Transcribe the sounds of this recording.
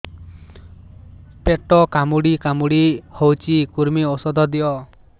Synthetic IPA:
peʈɔkamuɽikamuɽihowt͡ʃʰikuɾmiosɔd̪ɔd̪iɔ

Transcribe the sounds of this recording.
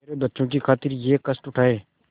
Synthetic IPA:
eːɾebətːʃõkikʰaːt̪ɪɾjeːkəsʈʊʈʰaːeː

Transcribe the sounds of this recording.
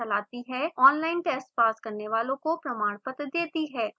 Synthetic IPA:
ɐlaːt̪iɦɛɔːnlaːɪnʈɛsʈpaːskɐɾneʋaːlõkopɾɐmaːɽ̃pət̪d̪eːt̪iɦɛː

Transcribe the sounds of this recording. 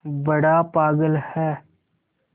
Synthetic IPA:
bəɽapaːɡəlhɛː

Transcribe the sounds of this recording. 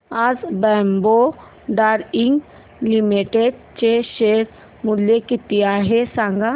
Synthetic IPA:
azbɛːmbo | ɖaːɾɪŋɡ | limiʈeɖ̚t͡ʃeʃeːɾ | mʊljekit̪ːijaɦesaŋɡa

